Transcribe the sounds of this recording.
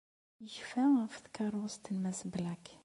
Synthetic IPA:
jəʃfæfθkɑɾˤʊst̪ənmæsblæk

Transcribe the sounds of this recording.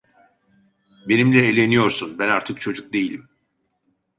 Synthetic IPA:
be̞nimlʲɛelʲe̞nijo̞ɾsunbænaɾt̪ʰɯkt͡ʃʰo̞d͡ʒuk̚d̪e̞jilʲim

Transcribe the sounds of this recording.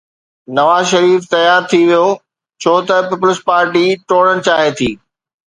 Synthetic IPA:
nɐʋaːzʃɐɾiːft̪ɐjaːɾt̪ʰiʋijo | t͡ɕʰoːt̪ɐpɪplɪspaːɾʈiʈoːɽəɽ̃ɪ̆t͡ɕaːɦet̪ʰiː

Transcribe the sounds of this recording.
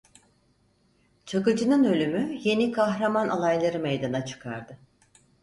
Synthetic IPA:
t͡ʃʰakɯd͡ʒɯnɯnø̞lʲymyje̞nikʰaɦɾamanʔalˠajlˠaɾɯmejd̪anat͡ʃʰɯ̥kʰa̰ɾd̪ɯ

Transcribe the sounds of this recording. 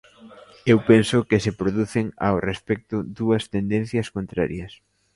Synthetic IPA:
ewpensʊkɪsepɾoðuθɪŋa̰wrespɛk̚t̪ʊðuɐst̪end̪ɛn̟θjɐskont̪ɾa̰ɾjɐs

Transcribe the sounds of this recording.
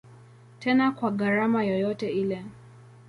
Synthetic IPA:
tʰɛnakwaɣaɾamajɔjɔtɛilɛ

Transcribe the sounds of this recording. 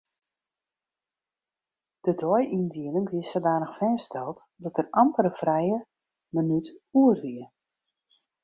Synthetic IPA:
d̥ədɔjʔindiənəŋʋiəsədaːnəxfɛːstʰɛlˠt | dɔtərɑmpəɾəfrɛjə | mənytuərʋiə

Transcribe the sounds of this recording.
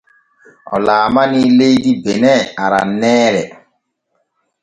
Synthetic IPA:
ɔ̰laːmanilejdibenɛaɾa̰nɛːɾɛ

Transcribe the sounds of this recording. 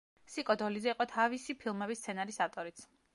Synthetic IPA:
sikʼɔd̪ɔlizɛiqʼɔt̪ʰavisipʰilˠmɛbist̪sʰɛnaɾisaft̪ʼɔɾit̪sʰ

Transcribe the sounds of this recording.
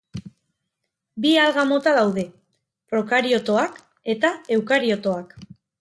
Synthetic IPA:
bialɣamo̞t̪aðawðe̞ | pɾo̞kaɾio̞t̪o̞ak | e̞t̪ae̞wkaɾio̞t̪o̞ak

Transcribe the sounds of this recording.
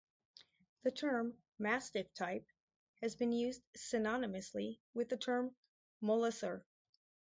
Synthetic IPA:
ðɨtʰɜ̃˞mː | æstɨv̥tʰaɪp̚ | hɨzbɨ̃njʉzd̥sɨnɑnɨmɨsliwɨðɨtʰɜ̃˞mː | əlˠəsə˞

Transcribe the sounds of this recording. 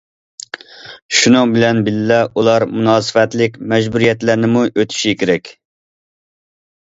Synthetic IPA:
ʃunɨŋbɪlɛnbɪlɪlɛulˠɑɾmunɑːsɨ̥fɛt̪lɪkʲmɛd͡ʒbuɾijɛt̪læɾnɪmuʔøt̪ʰy̥ʃikʲʰeɾɛkʲ

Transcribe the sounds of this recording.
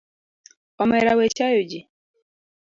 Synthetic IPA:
kamaɾawɛt͡ʃajod͡ʒi

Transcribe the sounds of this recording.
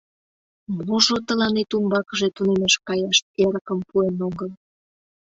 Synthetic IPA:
moʒot̪əlɑnet̪umbɑkəʒet̪unemɑʃkɑjɑʃeɾəkəmpuenoɣəl

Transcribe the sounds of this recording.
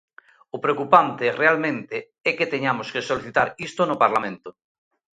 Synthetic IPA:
ʊpɾeokupant̪erealmẽnt̪e | ɛket̪eɲamoskesoliθit̪aɾist̪onopaɾlamẽnt̪o

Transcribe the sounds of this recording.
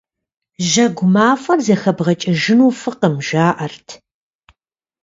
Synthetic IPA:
ʒɐɡʷʊmaːfɐrzɐxɐbʁɐt͡ʃʼɪʒɪnuːfɨqəmʒaːʔɐrtʰ

